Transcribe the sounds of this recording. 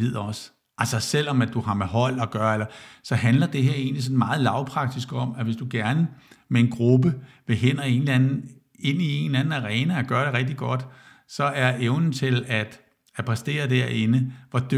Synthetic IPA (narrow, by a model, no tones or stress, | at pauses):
ið̰ˠɐɒ̽s | ʔælsɐsel̰ɒ̽mæd̥uhɑ̈meɦɒ̽l̰ɒ̽ɡ̥ɶːɐelɐsɒ̽ɦænlɐd̥e̝ɦeɐe̝ːnlis̬ɒ̽n̩mɑ̈ːð̞̩ˠlɑ̈ʊpʰʁɑ̈ɡ̥̚d̥isɡ̥ɒ̽m̰æʋe̝sd̥uɡ̥æɐnəmee̝nɡ̥ʁub̥ə | ʋe̝ɦen̰ɒe̝nlænn̩ | e̝n̰ie̝nlæn̩æʁɛːnəæɡ̥ɶːɐɾ̥eʁɛɡ̥̚d̥iɡ̥ɒ̽d̥ | sɒ̽æɐeʊnn̩t͡sʰe̝læd̥ | æpʰʁɛsd̥e̝̰ːɐd̥æɐe̝nəʋɒd̥ø